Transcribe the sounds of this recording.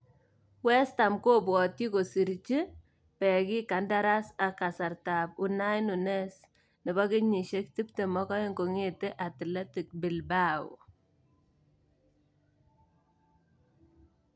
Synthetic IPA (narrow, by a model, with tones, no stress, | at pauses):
wɛ˦sta˨mko˦bwɔ˨ti˦ko˨si˨ɾt͡ʃi˦ | pɛ˨kɪ˦ka˨nda˦ɾa˦sa˨ka˨sa˨ɾta˨p̚u˨na˦jnu˨nɛ˦s | nɪ˨bɔ˦kɪ˦ɲi˨ʃe˦kti˦pte˨mɔ˦kɔ˦je˦ŋko˨ŋe˦te˦ʔa˨ti˨le˦ti˨k̚bɪ˨lba̰˦˨